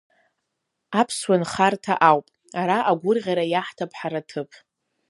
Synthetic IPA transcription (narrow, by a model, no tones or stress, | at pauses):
apʰswanχartʰa̰ʔawpʼ | aɾaʔaɡʷʊrʁʲaɾajaħtʰapʰħaɾatʰɨpʰ